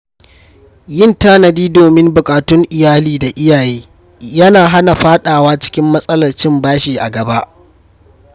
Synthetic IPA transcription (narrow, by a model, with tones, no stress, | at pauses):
jɪ˦ntaː˦nɐ˨diː˦doː˨mɪ˦mbʊ˨kʼaː˨tʊ˦ŋʔɪ˨jaː˦liː˦da˨ʔɪ˦jaː˨jeː˦ | jɐ˦naː˨ɦa˦na˨ɸaː˦ɗaː˨waː˦t͡ʃɪ̥˦kʲɪ˦mːɐ˦sʼɐ˦lɐ˨rt͡ʃɪ˦mbaː˦ʃiː˨ʔa̰˨ɡɐ˨ba˦ʔ